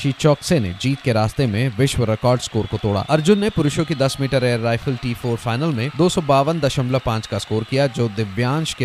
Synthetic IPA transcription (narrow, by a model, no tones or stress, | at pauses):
ʃiːt͡ʃɔːksenḛd͡ʒiːt̪keɾaːst̪emẽʋɪʃʋəɾɪkɔːɾɖskoːɾkot̪oːɽa̰ːɐɾd͡ʒʊnːepʊɾʊʃõkid̪ɐsmiːʈəɾeːɾːaːɪfʰəlʈiːfʰoːɾfʰaːɪnəlmẽd̪oːsɔbaːʋənd̪ɐʃəmləpãːt͡ʃkaskoːɾkijad͡ʒoːd̪ɪʋjãːnʃke